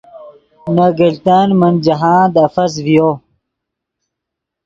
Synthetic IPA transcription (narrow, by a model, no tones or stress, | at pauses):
naɡɐlt̪anmɐnd͡ʑɐɦaːd̪ɐfɐz̬vijo